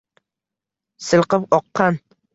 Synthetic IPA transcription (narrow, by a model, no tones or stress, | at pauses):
sɨlˠqɨpɒqːɑn